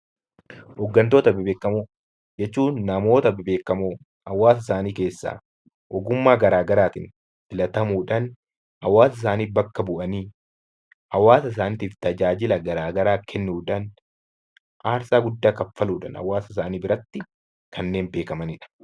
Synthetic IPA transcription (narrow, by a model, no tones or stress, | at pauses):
hɔɡːɐnt̪oːt̪ɐbɪbe̞ːkːɐmu | d͡ʒɛt͡ʃːuːnːɐmo̞ːt̪ɐbɪbe̞ːkːɐmo | ɐwːaːs̬ɪsaːniːke̞ːsːa̰ː | ɔɡʊmːaːɡɐɾaːɡɐɾaːt̪ɪn | tɪlɐt̪ɐmuːᶑɐn | hɐwːaːsɪsaːniːbɐkːɐbʊʔɐniː | ɐwːaːsɐɪs̬aːnɪt̪iːft̪ɐd͡ʒaːd͡ʒɪlɐɡɐɾaːɡɐɾaːkʰɛnːuːᶑɐn | ʔaːɾsaːɡʊd̪ːaːkɐfːɐluːᶑɐ̰nɐ̰wːaːsɪs̬aːniːbɪɾɐt̪ːɪ | kɐnːe̞ːmbe̞ːkɐmɐnɪᶑɐ̥